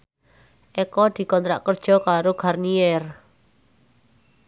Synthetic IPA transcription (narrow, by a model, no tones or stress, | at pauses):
ʔɛkɔd̪̥i̤kɔnt̪ɾa̰ʔkərd̥ʒ̥ɔ̤kaɾoɡ̥arniɛr